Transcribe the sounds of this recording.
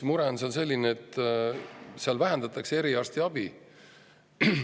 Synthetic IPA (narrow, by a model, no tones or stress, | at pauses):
muɾɛonsense̞lʲːineːt̪ːˑ | seɑlvæɦænd̪̥ɑt̪ːˑɑksee̞ɾiɑrst̪iɑb̥i